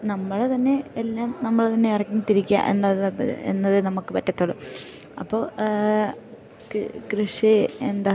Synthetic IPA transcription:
nɐmːɐɭet̪ɐnːe̞elːaːmnɐmːɐɭt̪ɐnːeɐrɐkːɐɲːit̪ːiɾikʲːa̰ʔe̞̰nːɐðḛnːɐðɨnɐmukːɨpɐtːɐt̪ːoɭːṵ | ɐpːo̞ː | krɨʂiend̪a

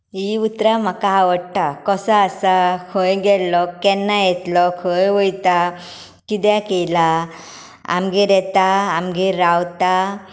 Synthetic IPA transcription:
iut̪ɾam̤akaɦaʋəɽʈakɔsəasakʰojɡɛlːɔkːɛnːajɛt̪lɔkʰɔjʋəjt̪a | kid̪jakela | a̰mɡiɾɛt̪aːmɡiɾawt̪a

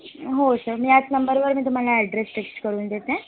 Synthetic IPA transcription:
ɦosəɾmĩːat͡snəmbəɾʋəɾmĩːt̪um̤alaɛɖɾesʈeksʈkəɾuːnd̪et̪eẽ

